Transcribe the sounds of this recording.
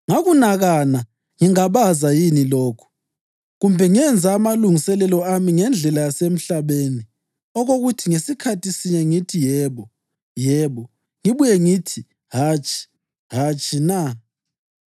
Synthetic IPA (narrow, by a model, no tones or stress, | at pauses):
ŋaɣunaɣana | ŋiŋaβazajinilɔːkʰu̥ | ɣumbʱɛŋiɛnd͡zʱaːmaluŋisɛlɛlɔamiŋɛnd͡ɮʱɛlajasem̩ɬaβeːni | ɔɣoɣutʰiŋesikʰatʰisiɲɛŋitʰijɛːβɔ | jɛβɔ | ŋiβujɛŋitʰi | hat͡ʃʰʼi̥ | ɦat͡ʃʼʰina